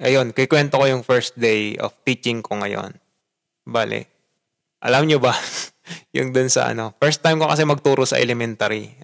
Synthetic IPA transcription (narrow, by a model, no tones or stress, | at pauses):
ʔɐjo̞nkɪkwɛnt̪okojʊŋfɛɹs̚d̪ejʔo̰ft̪iːt͡ʃɪŋkʰo̞ŋɐjo̞̰n | baːlɪ̰ | ʔɐlamɲobɐ | jʊŋd̪ʊnsɐ̰ʔɐ̰no̞fɛɹst̪ːajmkokɐsɛmɐɡ̚t̪uːɾosɐ̰ʔɛlɛmɛnt̪aɾi